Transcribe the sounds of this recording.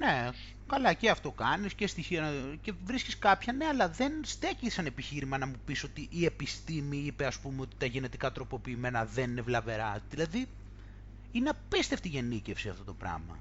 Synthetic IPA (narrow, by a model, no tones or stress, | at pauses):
ne̞ | kɐlɐceɐft̪o̞kɐniscest̪içiɐnɐce̞vɾisciskɐpçɐne̞ɐlɐðenst̪ecisɐne̞piçiɾimɐnɐmupiso̞t̪iʔːe̞pist̪imiipeɐspumeo̞t̪i̥t̪ɐʝe̞ne̞t̪ikɐt̪ɾo̞po̞piːme̞nɐðe̞nine̞vlɐve̞ɾɐðilɐði | ineɐpist̪e̞ft̪iʝe̞nicefsiɐft̪o̞t̪o̞pɾɐ̰mɐ̰